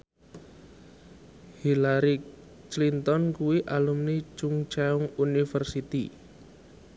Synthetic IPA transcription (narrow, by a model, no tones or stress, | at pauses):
hilaɾi | t͡ʃlint̪ɔnkuwiʔalumni̥t͡ʃuŋt͡ʃaʊŋunifərsit̪ḭ